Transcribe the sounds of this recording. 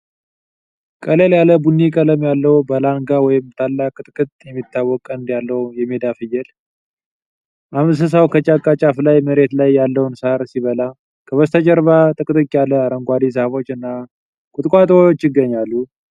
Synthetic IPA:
kʼəleljaləbunːikʼələmjalːəwbəlaŋɡawɔjɪmt̪ʰalːakʼt̪ʼɨkʼɨt̪ʼjɛmːit̪ːawːɔkʼənd̪jalːəwjɛmed̪afɨjɛl | ʔamɨs̬əs̬awkʰət͡ʃʼakʼːat͡ʃʼaflajməɾe̞t̪lajːalːəwnsaɾsiβəla | kʰəβəst̪ʰəd͡ʒɛɾβat̪ʼɨkʼt̪ʼɨkʼijaləaɾəŋɡʷad̪is̬əhβo̞t͡ʃːɨnːa | kʼʊt̪ʼkʼʷat̪ʼoot͡ʃːɪɡːəɲːalːu

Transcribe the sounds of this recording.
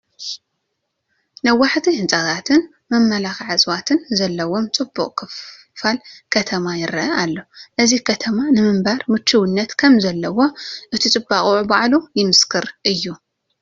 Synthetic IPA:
nɐwːaħt̪ʰihɨnt͡sʼat̪ʰat̪ʰɨn | mɐmːɐlaxʕat͡sʼwat̪ʰɨnzɐlːɐwo̞mt͡sʼɨbːuqʼkʰɨf | falkʰɐt̪ʰɐmajɪɾɐʔɐʔalːo̞ʔɨzikʰɐt̪ʰɐmanɨmɨmbaɾmɨt͡ʃʰːuwɨnːɐt̪kʰɐmzɐlːɐwo̞ʔɨt̪ʰit͡sʼɨbːaχʼuʕubaʕlujɪmɨskʰɨɾʔɨjːu

